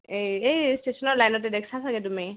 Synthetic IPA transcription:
eejsʈesɔnɔlajnɔtːedekʰsʰasaɡetumi

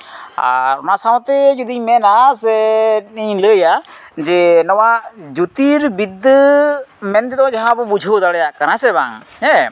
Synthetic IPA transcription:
a̰ɾɔnasawt̪ɛd͡ʒud̪iɲmɛnasɛniɲləja | d͡ʒɛnɔwaʔd͡ʒut̪iɾbid̪əmɛnt̪ɛd̪ɔd͡ʒaɦãbɔbud͡ʒʱəwd̪aɽɛjaʔkaɾasɛba̰ŋ | hɛ

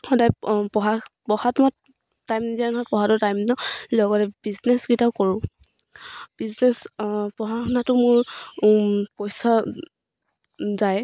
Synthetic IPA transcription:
xɔdajpɔɦapɔhatmɔt | tajmnizanɦɔjpɔhatʊtajmnɔlɔɡɔtɛb̥iznɛsɡitaʊkɔɹʊ̃ | b̥iznɛspɔɦakʰɔnatʊmʊɹ | pɔjsa | zaj

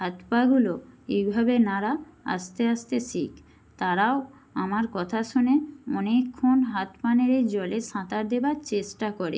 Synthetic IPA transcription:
ɦat̪paɡuloejbʱabenaɾaa̰st̪eaʃt̪eʃʰik | t̪aɾao | amaɾkɔt̪ʰaʃuneɔnekʰːonɦat̪paneɾed͡ʑɔleʃãt̪aɾd̪ebaɾt͡ɕeʃʈakɔɾḛ

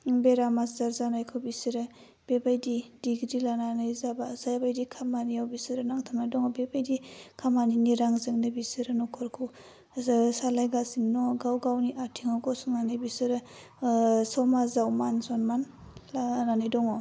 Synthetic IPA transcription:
beɾamaszaɾzanajkʰɯwbisɯɾɯ | b̥ebajdidiɡɾilananɯjzabazajbajdikʰamanijawbisɯɾɯnaŋtʰamajdɔŋɔbebajdikʰamaniniɾaŋzɯŋnɯbisɯɾɯnɔkʰɔɾkʰu | salajɡasiŋnɔɡawɡawniʔatʰiŋaɡɔsuŋnanɯjbisɯɾɯ | sɔmazawmansɔnman | lananɯjdɔŋɔ

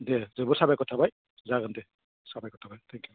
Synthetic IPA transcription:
d̪ezebuɾsabajkɔt̪ʰabaj | zaɡənd̪e | sabajkɔt̪ʰabajt̪ʰɛŋkju

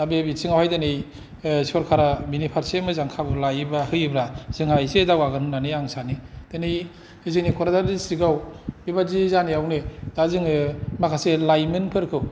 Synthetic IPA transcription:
abebisʰiŋawhajdanej | sɔɾkʰaɾaminipʰaɾsemɯzaŋkʰabɯlajbahɯjbɾaz̥ɯŋhajzedaɡwaɡɯnɯnːaniaŋsanid̥enij | hiziknikʰɔɾadadisɾiɡawbibazizaniawnid̥azɯŋɯmakʰaselajmɯnpʰɯɾkʰɯw

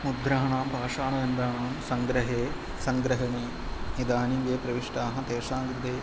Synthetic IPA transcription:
mud̪ʱɾaːɳaːmpaːʂaːɳɐʋɐnd̪ɾaːɳaːmsɐŋɡɾɐɦeː | sɐŋɡɾɐɦɐɳi | id̪aːniʋeːpɾɐʋiʂʈaːɦɐ̃t̪eːʂaːŋɡɾɪt̪eː

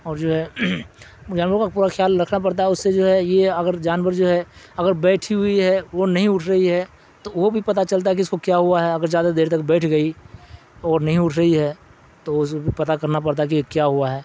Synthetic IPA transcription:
ɔːɾd͡ʒoːɦɛ | d͡ʒaːnʋəɾkapuːɾaxjaːlɾɐkʰnapɐɽt̪aɦɛʊsːed͡ʒoːɦɛjeɐɡəɾd͡ʒaːnʋəɾd͡ʒoːɦɛ | ɐɡəɾbɛːʈʰiɦʊiɦɛʋonɐɦĩʊʈʰɾɐɦiɦɛ | t̪oʋobʱipɐt̪at͡ʃɐlt̪̬aɦɛk̬iʊskokjaɦuaɦɛɐɡəɾzjaːd̪ad̪eːɾt̪ɐkbɛːʈʰɡəi | ɔːɾnɐɦĩʊʈʰɾɐɦiɦɛ | t̪oʊskobʱipɐt̪akɐɾnapɐɽt̪̬aɦɛkikjaɦʊaɦɛː

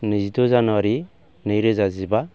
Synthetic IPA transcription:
nizidɔzanwaɾi | nɯjɾɯzaziba

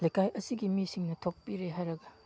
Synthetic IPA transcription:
lɐjkʰajʔɐsiɡimisiŋnɐtʰopːiɾeɦajɾɐɡɐ

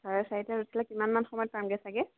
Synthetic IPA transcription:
sʰɔɹɛsaɦitaɹusʰilakimanmanxɔmɔjɔt̚pamɡɛsaɡɛ

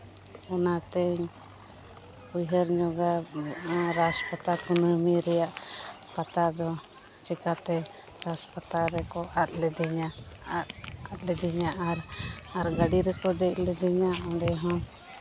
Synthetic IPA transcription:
ɔnat̪ɛɲ | pujɦəɾɲɔɡa | ɾaspat̪akunəmiɾɛjaʔ | pat̪ad̪ɔ | t͡ʃɛkat̪ɛ | ɾaspat̪aɾɛkɔʔat̪̚lɛd̪ɛɲa | at̪̚lɛd̪iɲaʔaɾaɾɡaɖiɾɛkɔd̪ɛc̚lɛd̪ɛɲaɔ̃ɳɖɛɦɔ̃

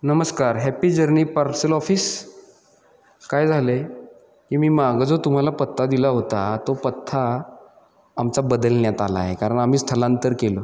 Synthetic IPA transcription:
nəməskaɾɦæpiːd͡ʑəɾniːpaɾsəlɔfiːs | kajd͡zʱale | kiːmiːmaɡəd͡zot̪um̤alapət̪ʰːad̪ilaɦot̪at̪opət̪ʰːa | mt͡sabəd̪əlnjat̪ala̰ɦekaɾəɳam̤iːst̪ʰəlãnt̪əɾkelo

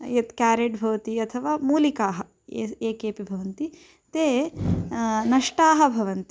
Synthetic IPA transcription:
jɐt̪kaːɾeːʈbʱɐʋɐt̪iɐt̪ʰɐʋaːmuːlikaːɦɐ | eeːkeːpibʱɐʋɐnt̪i | t̪eː | nɐʂʈaːɦɐ̆bʱɐʋɐnt̪i

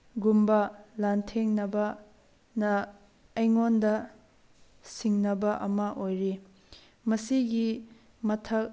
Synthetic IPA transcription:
ɡumbɐlantʰeŋnɐbɐ | nɐː | jŋondɐ | siŋnɐbɐʔɐmɐʔojɾi | mɐsiɡi | mɐtʰɐk̚

